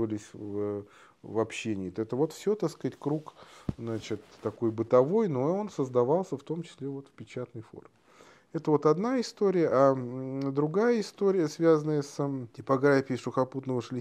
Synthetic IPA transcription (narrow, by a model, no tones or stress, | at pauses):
vəlʲɪsʲv | vɐpɕːenʲɪːt̪ɛt̪əvo̞t̪fsʲot̪askatʲkɾukznat͡ɕɪt̪ːɐko̞jbɨt̪ɐvo̞jno̞o̞nsəzd̪ɐvɑlˠsʲəft̪o̞mt͡ɕɪ̥sʲlʲevo̞t̪fpʲɪt͡ɕat̪nəjfo̞̰rmʲɪ | ɛt̪əvo̞t̪ɐd̪naɪst̪o̞ɾʲɪjəʔad̪ɾʊɡajəɪst̪o̞ɾʲɪjəsvʲazənəjəstʲɪpɐɡɾafʲɪɪʂʊxɐput̪nəvəʂlʲɪ